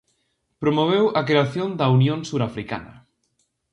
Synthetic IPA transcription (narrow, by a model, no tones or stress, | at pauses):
pɾomoβ̞ewʔɐkɾeaθjond̪ɐunjõnsuɾafɾika̰nɐ̰